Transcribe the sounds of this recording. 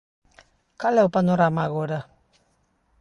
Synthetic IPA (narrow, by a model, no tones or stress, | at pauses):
kalɛwpanoɾamaɣoɾa